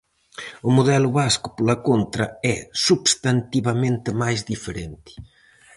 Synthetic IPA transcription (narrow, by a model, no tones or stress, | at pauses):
ʊmuðɛlʊβaskʊ̥polɐkont̪ɾɐɛsubst̪ant̪iβɐmẽnt̪ɪmajzðifeɾent̪i̥